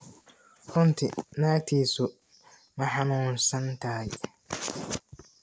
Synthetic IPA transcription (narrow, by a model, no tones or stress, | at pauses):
ʊ̃ntʰɪnãːtʰiso | mãhãnʊ̃n̩sãntʰaːɪ